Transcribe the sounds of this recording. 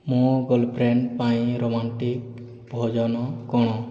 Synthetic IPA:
mɔɡɔlpʰɾeɳɖpajɾomaɳʈik | bʱɔd͡ʒɔnɔkɔɽ̃ɔ

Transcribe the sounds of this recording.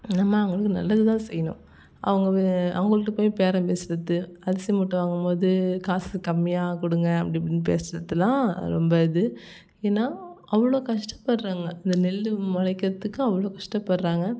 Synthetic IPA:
namaːɐʋʊŋɡɐɭɯkːɯnɐ̰lːɐðɯt̪ãːsɛjːɐnʊ̰̃ | ʔɐ̰ʋɐŋɡɐɐʋŋɡɐɭɯkːɯpoːjpeːɾɐ̃peːsɯɾɐt̪ːɯɐðɐsimuʈːɯʋaːŋɡɯmpoːðɯkaːsɯkɐmːɪjaːkʊɽɯŋɡɐɐpːɐɽɪpɐɽɪnːpḛːsɾɐt̪ːɯlãːɾɔmbɐɪðɯ | eːnːaːʔɐʋːɐɭoːkɐʂʈɐ̥pːɐɽɾaːŋɡɐɪnd̪ɐnɛlːɯmɐlɐɪkːɪɾɐt̪ːɯkːʊ̃ɐʋːɐɭoːkɐʂʈɐpːɐɽɾaːŋɡɐ

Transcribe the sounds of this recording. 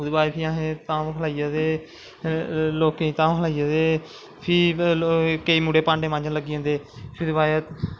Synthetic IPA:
uːd̪baːipʰiãːɦẽːt̪ãːkʰəlaːijaːd̪eː | loːkẽːt̪ãːɦəlaːijaːd̪eː | pʰiː | kəiːmuːɽeːpãːɳɖeːmãːd͡ʒələɡiːɦõːnd̪eːpʰɪɾbaːjt̪

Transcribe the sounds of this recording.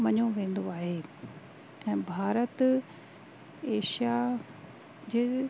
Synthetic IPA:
mɐɲoʋẽːn̆d̪oaːɦeː | ɛ̃ːbʱaːɾət̪ | eːʃija | d͡ʑeː

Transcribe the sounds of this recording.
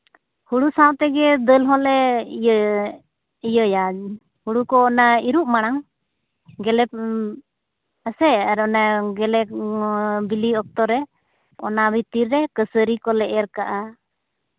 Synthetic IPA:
huɽusawt̪ɛɡɛd̪əlɦɔlɛ | ijəja | huɽukɔːnaiɾuʔ̚maɽ̃aŋ | ɡɛlɛp | əsɛaɾɔnaɡɛlɛ | biliɔk̚t̪ɔɾɛ | ɔ̰nabit̪iɾːɛkəsəɾikɔlɛʔɛɾkaʔa

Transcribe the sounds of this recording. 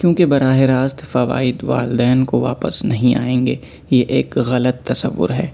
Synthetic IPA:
kjõːkebɐɾaːɦeɾaːst̪fɐʋa̰ːɪd̪ʋa̰ːld̪ɛːnkoʋaːpə̰snɐɦĩa̰ːẽːŋɡeː | jeʔeːkɣɐlət̪ːɐsə̰ʋːʊ̰ɾɦɛː

